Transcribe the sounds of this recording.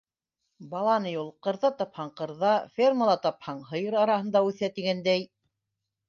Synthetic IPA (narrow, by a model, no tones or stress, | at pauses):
bɑlˠɑnɤjulˠqɤ̆ɾðɑt̪ɑphɑɴqɤ̆ɾðɑfʲerməlˠɑt̪ɑphɑɴɦɤ̆jɤɾɑɾɑhɤ̆n̪d̪ɑʉθæt̪iɡænd̪æj